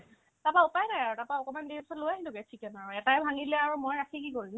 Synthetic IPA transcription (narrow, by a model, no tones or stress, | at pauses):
tapaupajnajaɹutapaɔkɔmandisɔlojaɦilʊkɛtʰikɛnaɹuɛtaɛbʱaŋilɛaɹumojɹakʰikikoɹim